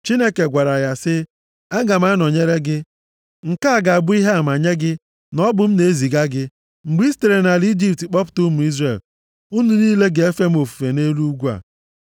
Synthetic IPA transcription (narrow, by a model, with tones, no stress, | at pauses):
t͡ʃi˦ne˦ke˨ɡʷa˨ɾa˨ja˦sɪ˦ | a˦ɡa˨m̩˦a˦nɔ˨ɲe˦ɾe˦ɡɪ˦ | ŋ̩˨ka˦a˦˨ɡa˨a˨bʊ˦i˦ɦe˦a˨ma˨ɲe˦ɡɪ˦ | nɔ˦bʊ˨m̩˦ne˨e˦zi˨ɡa˦ɡɪ˦ | ŋ͡m̩˨ɡ͡bi˦ste˨ɾe˨na˨li˦d͡ʒi˦˨p̚tk͡pɔ˦p̬ʊ̥˨˦tu˦mu˨i˦zre˨l | u˦nu˨niː˦le˦ɡe˨e˦fe˦m̩˦o˨fu̥˨fe˨ne˦lu˦ɡʷu˦a̰˨